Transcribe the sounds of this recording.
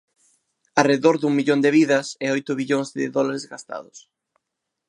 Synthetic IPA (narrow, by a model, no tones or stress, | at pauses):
ɐreðoɾðuŋmiʎond̪eβiðɐsɛojt̪ʊβiʎoŋzðɪ̰ðɔlaɾezɡast̪a̰ðʊs